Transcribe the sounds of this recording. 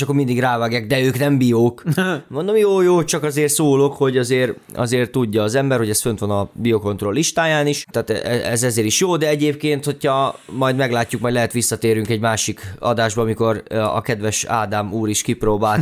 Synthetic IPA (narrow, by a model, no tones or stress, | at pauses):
ʃɒkːormind̪iɡraːvaːɡjaːɡ̚d̪ɛøːknɛmbijoːkmo̞nd̪o̞mjoːjoːt͡ʃɒkɒzeːrsoːlo̞kho̞ɟɒzeːr | ɒ̰zeːrt̪uɟːɒːzɛmbɛrho̞ɟɛsfønt̪ʋɒnɒbijo̞ko̞nt̪ro̞lːiʃt̪aːjaːniʃt̪aːt̪ɛɛɛ̰zɛzeːɾiʃjoːd̪ɛɛɟeːp̚keːnt̪ho̞chɒmɒjd̪mɛɡlaːcːukmɒjdlɛɦɛt̪ʋisːɒt̪eːɾyŋkɛɟmaːʃikɒ̰d̪aːʒbɒɒmiko̞rɒ̰kɛd̪ʋɛʃa̰ːd̪amuːɾiʃkipɾoːbaːlt̪